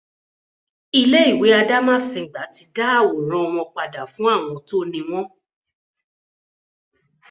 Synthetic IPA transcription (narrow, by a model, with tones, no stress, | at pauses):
i˧le˦i˦˨we˨˦a˧da˦mã˦˨sĩ˧˨ɡ͡ba˨˦ti˧da˦˨wo˨ɾ̃ɔ̃˦ɔ˧w̃ɔ̃˧k͡pa˨da˨fũ˨˦a˦˨w̃ɔ̃˧to˦nĩ˧w̃ɔ̃˦